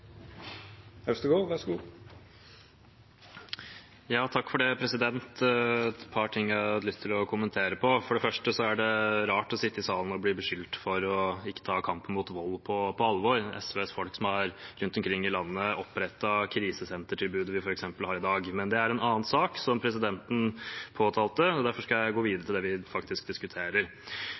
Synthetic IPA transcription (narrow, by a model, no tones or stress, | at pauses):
hɛst̪əɡoːʋæsɡu | jɑːt̪ʰɑkːfɔɖɛpʰɾɛsɪd̪ɛnt̪ɛt̪pʰɑʈʰɪŋːæɑt̪lʏst̪ʰɪlɔkʰʊmənt̪ʰeːɾəpʰɔfɔɖɛfœʂʈəsɔæɖɛɾɑːʈɔsɪt̪ːəɪsɑːlən̩ɔbliːbəʂʏlt̪fɔɾɔɪkːət̪ʰɑːkʰɑmpən̩muːt̪ʋɔlːpʰɔpʰɔɑlʋɔɾɛ̰sʋeːsfɔlksɔmɑɾɾʉnt̪ɔmkʰɾɪŋːɪlɑnːəɔpːɾɛt̪ːɑkʰɾiːsəsɛnt̪əʈʰɪlbʉːd̪əʋɪfɔɾɛksɛmpəlhɑːɾɪd̪ɑːɡmɛnd̪ɛæɾɛnɑːənsɑːksɔmpʰɾɛsɪd̪ɛnt̪n̩pʰoːt̪ʰɑːlt̪əɔd̪æɾfɔʂkɑjæɪɡoːʋiːd̪əɾəʈ̪ɪlɛːʋɪfɑkt̪ɪsk̚d̪ɪskʉt̪ʰeːɾəɾ